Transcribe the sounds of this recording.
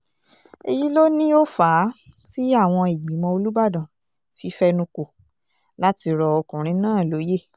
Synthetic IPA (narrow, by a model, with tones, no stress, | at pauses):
e˧ji˦lo˦nĩ˦o˦faː˨˦ti˦a˦˨w̃ɔ̃˧i˨ɡ͡bi˨˦mɔ̃˧o˧lu˦ba˦˨dã˨ | fi˧˦fɛ˧nũ˧ko˨ | la˦ti˧ɾɔ˧ɔ˧kũ˨ɾ̃ĩ˨˦nãː˦˨lo˨˦je˦˨